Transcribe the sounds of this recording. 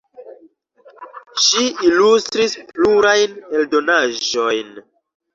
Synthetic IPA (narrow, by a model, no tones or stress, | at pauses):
ʃiilustɾispluɾajne̞ldo̞naʒo̞jn